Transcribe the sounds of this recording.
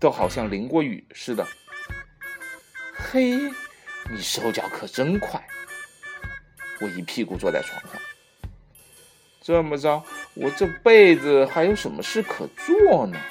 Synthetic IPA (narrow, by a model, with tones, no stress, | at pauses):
t̪o˥ʊxɑ˨˩ʊɕjɑ˥˩ŋli˧˥ŋkwɔ˧˥y̰˨˩ʂɻ̩˥˩d̪ə˩ | xe˥ɪ | ni˨˩ʂɻ̩˧˥xo˥˩ʊt͡ɕjɑ˧˥ʊkʰɤ˨˩ʈ͡ʂə˥nkʰwa˥˩ɪ | wɔ˨˩i˧˥pʰi˥˧ku˥˩t͡swɔ˥˧t͡sa˥˩ɪʈ͡ʂʰwɑ̰˧˥ŋkʰa̰˥˩˦ŋ | ʈ͡ʂɤ˥˧mə˨ʈ͡ʂɑ˥˩ʊwɔ˨˩ʈ͡ʂɤ˥˧pe˥˩ɪd͡z̩˨xa˧˥ɪjo˧˥ʊʂə˧˥nmə˧ʂɻ̩˥˩kʰɤ̰˨˩t͡swɔ˥˩nə˩